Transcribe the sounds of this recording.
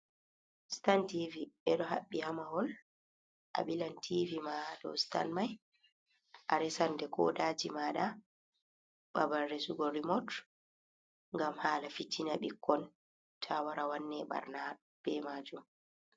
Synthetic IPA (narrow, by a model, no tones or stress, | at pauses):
stantiviɛɗɔɦaɓːihamahɔl | ʔa̰ɓilantʰivimaɗɔ̰sta̰nmaj | ʔaɾɛsandɛkʰɔ̰daːd͡ʒimaɗa | ɓabanːesuɡɔɾimɔt | ŋɡamhaːlafitːinaɓikʰːɔn | tʰawaɾawanːɛɓa̰ɾna | b̥ɛmad͡ʒum